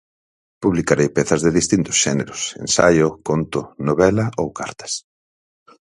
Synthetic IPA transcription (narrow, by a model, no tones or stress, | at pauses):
puβlikaɾejpeθɐzðeðist̪int̪ʊ̥sʃɛneɾʊsḛnsa̰jokont̪ʊnoβɛlaowkaɾt̪ɐ̥s